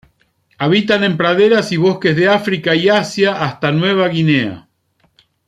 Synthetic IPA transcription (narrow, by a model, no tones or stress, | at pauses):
aβ̞it̪anẽ̞mpɾaðe̞ɾasiβo̞ske̞zðeafɾikaiasjaʔːst̪anwe̞β̞aɣine̞a̰